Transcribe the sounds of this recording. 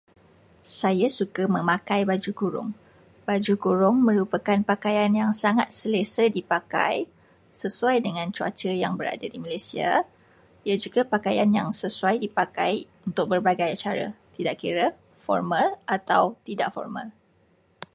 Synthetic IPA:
sajasukamə̃mãkajbad͡ʒukuɾʊ̰ŋ | bad͡ʒukuɾʊŋmə̃ɾupəkanpakajanjaŋsaŋat̪̚sələsədipaka̰j | səsuajdəŋãnt͡ʃua̰t͡ʃəjaŋbəɾa̰dadimalajsia̰ | iad͡ʒuɡapakajanjaŋsəsuajdipakajunt̪ʊk̚bərbaɡajat͡ʃaɾa̰t̪idaʔkiɾə | fɔ̰rmãlʔat̪a̰wt̪idaʔfɔ̰rma̰l

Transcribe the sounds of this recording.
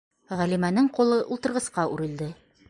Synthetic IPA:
ʁælimænɘɴqulˠɤʔulˠt̪ɤ̆ɾʁɤ̆sqɑʔʉɾɘ̆ld̪ɘ

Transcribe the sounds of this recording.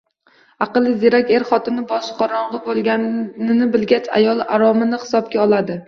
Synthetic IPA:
ɑqɨlˠɪd̪eɾakʲe̞ɾχɒt̪ɪnɪbɒʃqʰɒɾɒɴʁɨbolˠɡʲanɪnɪbɪlɡʲat͡ʃa̰jɒlˠa̰ɾɒmɪnɪhɪ̥sɒb̚kʲaɒlˠad̪ɪ

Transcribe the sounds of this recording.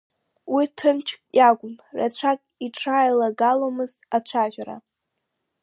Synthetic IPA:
witʰɨnt͡ʃʰkʼjaɡʷʊnra̰t͡ɕʷʰakʼiʈ͡ʂʰajlaɡalomɨztʼat͡ʃʷʰaʒʷᶣaɾa̰

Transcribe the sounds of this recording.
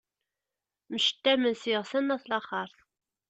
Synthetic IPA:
məʃə̥t̪ːæmənsiʁsænːæθlɑχəɾˤθ

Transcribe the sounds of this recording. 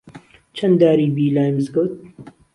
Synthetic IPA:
t͡ʃʰɐnd̪aːɾiːbiːlaːjmzɡot̪̚

